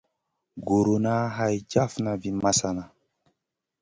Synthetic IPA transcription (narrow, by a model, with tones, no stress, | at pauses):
ɡo˨ɾo˨na˦ɦa˦jd͡ʒa˦fna˨vi˦ma˦sa˨na˨